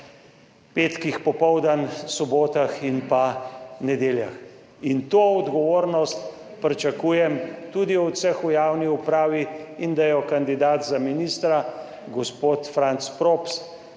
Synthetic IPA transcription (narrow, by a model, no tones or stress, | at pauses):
peːt̪kixpɔpɔwd̪ansɔboːt̪axinpanɛd̪eːlja̰x | int̪oːɔd̪ɡɔʋoːɾnɔst̪ | pɾɛt͡ʃakuːjɛmt̪ud̪iɔwsɛxujaːwniupɾaːʋiind̪ajɔkand̪id̪aːt̪zaminist̪ɾa | ɡɔspoːt̪fɾant̪spɾops